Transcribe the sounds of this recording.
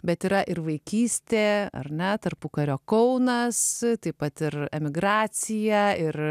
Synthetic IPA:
bʲɛt̪iːɾɐʔɪɾʋɐɪkʲiːsʲt̪ʲeːɐ̰rnʲɛt̪ɐrpʊkɐɾʲoːkɐʊnɐst̪ɐɪpɐt̪ɪɾɛmʲɪɡɾɑːt͡s̪ʲɪjæɪr

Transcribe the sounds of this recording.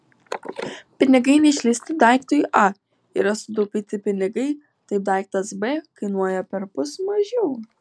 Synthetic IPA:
pʲɪnʲɪɡɐɪnʲɛɪʃʲlʲɪsʲt̪ʲɪd̪ɑˑɪkt̪oːjʔɐ | ɪɾɐsʊd̪opʲiːt̪ʲɪpʲɪnʲɪɡɐɪ | t̪ɐɪp̚d̪ɑɪk̚t̪ɐsbeːkɐɪnuɔjɛpʲɛɾpʊsmɐʒʲɛʊ

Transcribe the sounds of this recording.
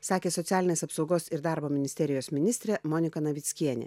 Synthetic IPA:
sɑːkʲeːsɔt̪ʲæːlʲɪnʲeːsɐpsɒʊɡoːsɪɾd̪ɑˑɾboːmʲɪnʲɪsʲt̪ʲɛɾʲɪjoːsmʲɪnʲɪst̪ʲɾʲɛmɔnʲɪkɐnɐʋʲɪt̪sʲkʲiɛnʲḛ

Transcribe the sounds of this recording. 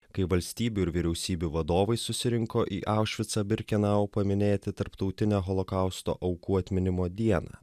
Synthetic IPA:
kɐɪʋɐlʲsʲt̪ʲiːbʲuːɪɾʋʲiɾʲɛʊsʲiːbʲuʋɐd̪oːʋɐɪsʊsʲɪɾʲɪŋkoːʔḭːʔɑˑʊʃʲʋʲɪt̪sɑːbʲɪɾʲkʲɪnɑːʋoːpɐmʲɪnʲeːt̪ʲɪt̪ɐɾpt̪ɒʊt̪ʲɪnʲeːɦɔlˠɔkɑˑʊst̪o̰ːʔɒʊkuːɐt̪ʲmʲɪnʲɪmoːd̪ʲiɛnɑ̰ː

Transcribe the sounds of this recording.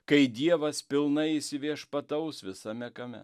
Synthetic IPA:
kɐɪd̪ʲiɛʋɐspʲɪlˠnɐɪisʲɪʋʲiɛʃpɐt̪ɐʊsʋʲɪsɐmʲɛkɐmʲɛ̰

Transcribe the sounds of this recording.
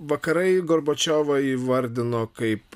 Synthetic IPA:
ʋɐkɐɾɐɪɡoɾboːt͡ʃʲoːʋɐiʋɐɾʲd̪ʲɪnoːkɐɪp

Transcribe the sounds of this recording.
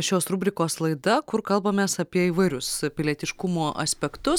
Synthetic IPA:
ʃʲoːsɾʊbʲɾʲɪkoːslˠɐɪd̪ɐkʊɾkɐlˠbɐmʲeːsɐpʲiɛiːʋɐɪɾʲʊspʲɪlʲiɛt̪ʲɪʃkʊmoːʔɐ̰sʲpʲɛkt̪ʊs

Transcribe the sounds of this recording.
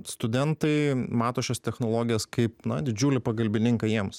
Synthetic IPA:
st̪ʊd̪ʲɛnt̪ɐɪmɑːt̪oːʃʲost̪ʲɛxnoːlˠoːɡʲɪjoːskɐɪpnɐd̪ʲɪd͡ʒʲuːlʲɪpɐɡɐlʲbʲɪnʲɪŋkɐjiɛms

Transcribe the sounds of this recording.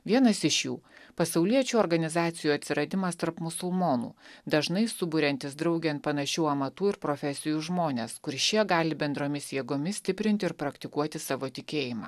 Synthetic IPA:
ʋʲiɛnɐsɪʃjuːpɐsɐʊlʲiɛt͡ʃʲuɔɾɡɐnʲɪzɑːt̪sʲɪjuːɐt̪ʲsʲɪɾɐd̪ʲɪmɐst̪ɐɾpmʊsʊlˠmoːnṵːd̪ɐʒnɐɪsʊbʊɾʲɛnʲt̪ʲɪsd̪ɾɐʊɡʲɛnt̪pɐnɐʃʲuːɐmɐt̪uːɪɾpɾoːfʲɛsʲɪjuːʒmoːnʲeːskʊɾʲʃʲiɛɡɑːlʲɪbʲɛnd̪ɾoːmʲɪsjiɛːɡomʲɪsʲt̪ʲɪpʲɾʲɪnʲt̪ʲɪɾpɾɐkt̪ʲɪkuɔt̪ʲɪsɑːʋoːt̪ʲɪkʲeːjɪmɑ̰ː

